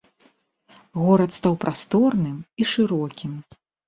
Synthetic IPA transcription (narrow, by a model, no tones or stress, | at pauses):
ɣɔɾɐt̪st̪awpɾʔast̪ɔrnɨmiʂɨɾɔkʲim